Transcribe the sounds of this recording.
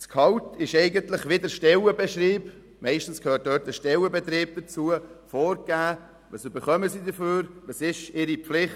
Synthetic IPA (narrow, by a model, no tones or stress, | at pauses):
skʰɑwtɪʃɛɪɡəntlɪχʋɪdəɾʃtɛləbɛʃɾiːp | mɛɪʃtn̩skʰhøːt̚d̥œːt̚əʃtɛləbɛt̪ɾiːb̚d̪̥ət͡suəfoːɾɡ̥æː | ʋɑsybəχœməsidəføːɾʋɑsɪʃɪɾipflɪχ